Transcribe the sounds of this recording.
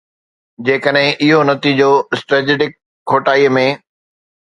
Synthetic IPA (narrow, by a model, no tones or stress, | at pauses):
d͡ʑeːkəɗɦɪ̃ʔɪɦonɐt̪iːd͡ʑoɪsʈɾed͡ʑeɖɪkʰː | oːʈaːimẽː